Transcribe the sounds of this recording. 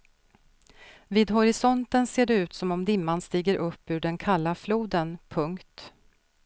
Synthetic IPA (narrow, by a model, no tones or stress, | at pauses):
viːd̪ɦɔɾɪsɔnt̪ənseːɖɛʉ̟ːt̪sɔmɔmd̪ɪmːanst̪iːɡəɾʔɵpːʉ̟ːɖɛnkʰalːafluːd̪ənpʰɵŋkt̪